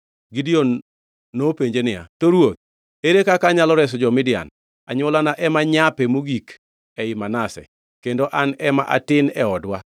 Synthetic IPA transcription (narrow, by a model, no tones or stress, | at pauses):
ɡidionː | opeɲd͡ʒenɪja̰toɾwot̪̚ | eɾekakaɲalɔɾɛs̬ɔd͡ʒɔmɪdɪja̰n | a̰ɲwɔlanaʔɛmaɲapɛmuɡik | ɛɪmanasɛ̰ | kendoʔanɛma̰ʔa̰tɪnɛɔdwa